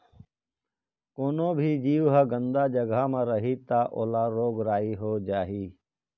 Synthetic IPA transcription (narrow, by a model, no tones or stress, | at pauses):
koːnõːbʱid͡ʒiːʋɦəɡə̃nd̪aːd͡ʒəɡamãɾəɦit̪aːʔoːlaɾoːɡɾaːiɦoːd͡ʒaːɦiː